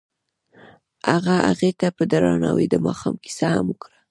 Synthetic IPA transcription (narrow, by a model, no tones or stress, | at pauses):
aɣaaɣet̪apəd̪aɾɑnɑwid̪əmɑxɑmki̥sahamukɾa